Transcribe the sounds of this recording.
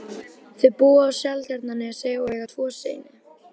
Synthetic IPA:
θʏpuːaːwsjalt̪aɾt̪nanːɪaseːɣaɛɣat̪ʰvɔːsḛːjnɪ

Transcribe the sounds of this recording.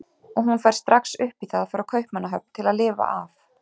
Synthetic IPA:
ɔɣɦunfɛjɾ̥st̪ɾaksʏhpiθaðfɔɾakʰœɥhpmanːaɦœp̚nt̪ʰɪlaðlɪːva̰ʔaf

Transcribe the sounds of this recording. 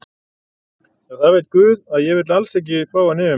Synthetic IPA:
aɣθaðvejt̪̚kvʏːðaðjɛvɪɾt̪lalsɛhc̬ːɪfʰɾaːwanɪːʏ

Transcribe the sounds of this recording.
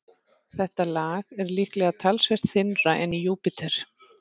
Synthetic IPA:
θɛht̪alaːɣɛɾlɪhklɛɣat̪ʰalsvɛr̥t̪θɪnraʔɛnːijuːpɪt̪ʰɛɾ̥

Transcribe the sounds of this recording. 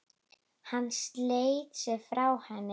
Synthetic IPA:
hanːst̪leːjt̪sɛɣfɾawhɛnːɪ

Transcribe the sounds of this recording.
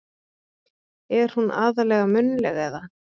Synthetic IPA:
ɛɾ̥hunʔa̰ːðalɛɣamʏnːʏlɛɣɛða

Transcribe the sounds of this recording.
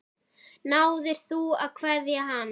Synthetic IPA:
nawðɪɾ̥θua̰ðkʰvɛðjaɦan

